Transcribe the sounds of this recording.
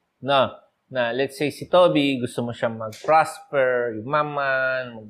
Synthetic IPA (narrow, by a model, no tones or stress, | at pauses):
no | nalɛt̪sejsɪt̪obiɡʊst̪omoʃamɐɡ̚pɹaspɛɹjʊŋmamanmɐɡ̚